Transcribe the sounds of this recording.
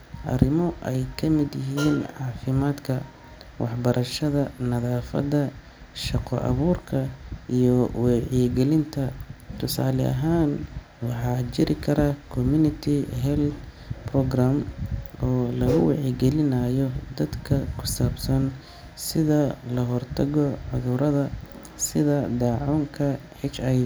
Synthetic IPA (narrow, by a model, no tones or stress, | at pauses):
ʔɐ̰rɪmɔʔɛjkʰɐmɪd̪jɪɦiːnʕɑːfɪmaːd̪kʰɐ | wʔɑħbɐɾʔɐʃɐðɐnɐðaːfɐ̰d̪ɐ | ʃɑqɔ̰ʔɐ̰βuːrkʰɐʔijɔwɛʕiɡɛlɪnt̪ʰɐt̪ʰʊsaːlɛɐ̰ɦaːn | wɑħɑːt͡ʃɪɾɪkʰɐɾʔɐkʰɔmunɪt̪ʰɪɦɛld̪ | pʰrɔɡramʔɔːlɐɣʊwɑ̰ʕiɡɛlɪnɐjɔd̪ɐd̪kʰɐkʰʊ̥saːbsɐn | sɪðɐlɐɦɔrt̪ʰɐɣɔʕʊðʊɾɐðɐ | sɪðɐd̪ɑːʕɔːŋkʰɐ | ħɪʃɐj